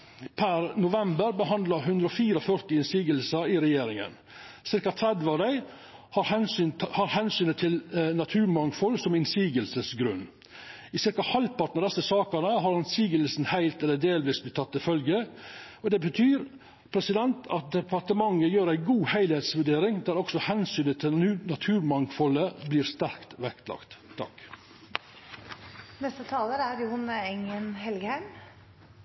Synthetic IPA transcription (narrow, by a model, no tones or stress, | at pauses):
pʰæɾnʊʋɛmbəɾbəɦɑnd̪lɑɾɦʉnd̪ɾəɔfiːɾɔfœɾt̪ɪɪnsiːɡəlsəɾɪɾɛjeːɾɪŋə̰n | sɪɾkɑt̪ʰɾɛd̪ʋəɑʋd̪æɪ | hɑɾhɛnshɑɾhɛnsyːnət̪ʰɪlnɑt̪ʰʉːɾmɑŋfɔlːsɔmɪnsiːɡəlsəsɡɾʉ̰nː | ɪsɪɾkɑhɑlpʰɑʈnɑd̪ɛsːəsɑːkənəɦɑɾɪnsiːɡəlsn̩hæɪlt̪ɛlːəd̪eːlʋiːsblɪt̪ʰːɑt̪ːɪfœlɡəɔd̪ɛbət̪ʰyːɾ | pʰɾɛsɪd̪ɛnt̪ɑt̪̚d̪ɛpʰɑt̪əmɑŋːəjøːɾæɪɡuːhæɪlheːt̪sʋʉɖeːɾɪŋd̪æːɾɔksɔhɛnsyːnət̪ʰɪnɑt̪ʰʉːɾmɑŋfɔləbliːɾst̪æɾkt̪ʋɛkt̪lɑ̰kt̪t̪ʰːɑ̰k | nɛst̪ət̪ʰɑːləɾæɾjʊhʊnəɛŋənɦɛlɡəhæɪm